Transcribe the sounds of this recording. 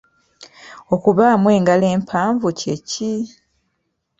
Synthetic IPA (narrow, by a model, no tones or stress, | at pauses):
o̞kuβaːmwe̞ːŋɡale̞ːmpʰaːɱvuceci